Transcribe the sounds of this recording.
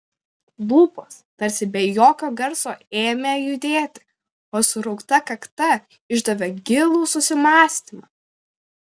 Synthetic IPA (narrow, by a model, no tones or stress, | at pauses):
buːpoːst̪ɐɾʲsʲɪbʲɛjoːkʲoːɡɐɾsoːeːmʲejʊd̪ʲeːt̪ʲɪ̥ | oːsʊɾɔʊkt̪ɐkɐkt̪ɐ | ɪʒd̪ɐʋʲɛɡʲɪlˠuːsʊsʲɪmɑːsʲt̪ʲimɑ